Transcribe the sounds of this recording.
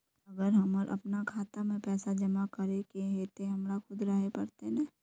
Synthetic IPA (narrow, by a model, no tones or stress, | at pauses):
ɐɡəɾɦɐməɾʔɐ̰pnakʰaːt̪amẽpɛːsad͡ʒɐmakɐɾekeɦet̪oɦɐmɾakʰʊd̪ɾaɦepɐɾt̪enɛ̃ː